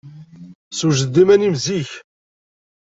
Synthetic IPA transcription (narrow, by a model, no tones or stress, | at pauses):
suʒəd̪ːimænimziç